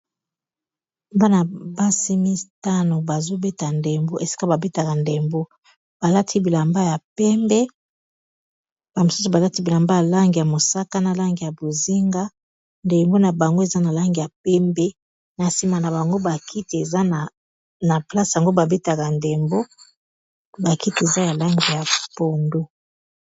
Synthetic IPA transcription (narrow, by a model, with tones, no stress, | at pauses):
ba˦na˨ba˦si˦mi˦ta˦no˨ba˨zo˦be˦ta˨nde˨mbo˦ʔe˨si̥˦ka˦ba˨be˦ta˨ka˨nde˨mbo˦ | b̥a˨la˦tʰi˦bi˨la˨mba˦ja˨pɛ˦mbɛ˦ | b̥a˨mo˨su˦su˨ba˨la˦ti˦bi˨la˨mba˦ja˨la˦ŋɡi˨ja˨mo˨sa˦ka˦na˨la˦ŋɡi˨ja˨bo˨zi˦ŋɡa˦ | nde˨mbo˦na˨ba˨ŋɡo˦e˨za˦na˨la˦ŋɡi˨ja˨p̚ɛ˦mbɛ˦ | na˨si˨ma˨na˨ba˨ŋɡo˦ba˨kʰi˦ti˨e˨za˦na˨ | na˨pla˦sja˨ŋɡo˦ba˨be˦ta˨ka˨nde˨mbo˦ | ba˨ki˦ti˨e˨za˦ja˨la˦ŋɡi˨ja˨po˨ndo˦